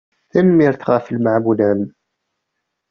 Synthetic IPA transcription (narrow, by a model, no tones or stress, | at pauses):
θæmːiɾθʁəflmaʕmulæm